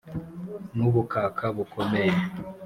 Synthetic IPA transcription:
nuβukaːkʰaβukomeje

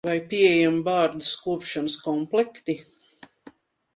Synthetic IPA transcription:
vajpʲiɛjambaːɾd̪uskuɔpʃanəskɔmplˠɛkt̪i

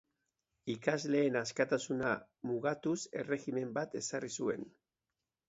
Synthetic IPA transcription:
ikazle̞ːnaskat̪asuna | muɣat̪use̞re̞ɣime̞mbat̪e̞sarisue̞̰n

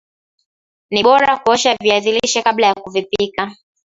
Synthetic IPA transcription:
niɓɔɾakuɔʃaviaθiliʃɛkaɓlajakuvipika

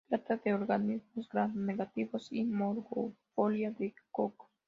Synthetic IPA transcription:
t̪ɾat̪aðeoɾɣanizmozɡɾaneɣat̪iβosimoɾɣofoljaðekok

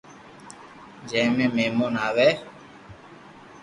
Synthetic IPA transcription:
d͡ʒẽːmẽːmeːmoːnaːʋɛː

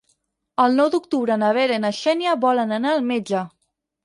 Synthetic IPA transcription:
əlˠnɔwd̪uk̚t̪uβɾənəβeɾenaʃɛnjəβɔlənənaːlˠmed͡ʒə

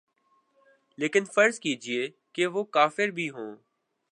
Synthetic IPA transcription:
leːkɪnfəɾzkiːd͡ʒieː | keʋoːkaːfɪɾbʱiːɦõː

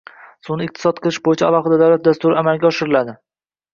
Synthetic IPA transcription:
sʊnɪɪq̚t̪ʰɪ̥sɒt̪̚qʰɨlˠɪʃbojɪt͡ʃʰaalˠɒχɨd̪ad̪awlat̪̚d̪ast̪ʊɾɪamalɡʲaɒʃɪɾɪlad̪ɪ

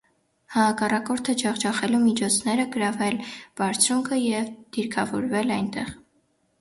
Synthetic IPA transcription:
hɑɑkɑrɑkɔɾt̪ʰəd͡ʒɑʁd͡ʒɑχɛlumit͡ʃʰɔt͡sʰn̪ɛɾəɡəɾɑvɛlb̥ɑɾt͡sʰɾuŋkʰəjɛvd̪̥iɾkʰɑvɔɾvɛlɑjnt̪ɛʁ

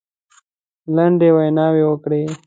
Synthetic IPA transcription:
laɳɖewajnɑːwewəkɽe

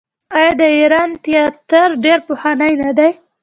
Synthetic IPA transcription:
ɑjɑd̪əiɾɑnt̪ijɑt̪əɾɖeɾpohanajnad̪aj

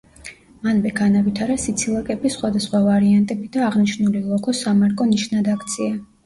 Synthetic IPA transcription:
manmɛɡʰanavit̪ʰaɾasit̪sʰilˠakʼɛbisχwad̪asχwavaɾiant̪ʼɛbid̪aːʁniʃnulilˠɔkʰɔsamaɾkʼɔniʃnad̪akʰt̪sʰia

